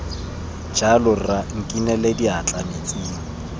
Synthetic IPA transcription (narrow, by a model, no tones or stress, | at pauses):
d͡ʒalʊraŋ̩kʼinɛlediat͡ɬʼamet͡sʼiːŋ̩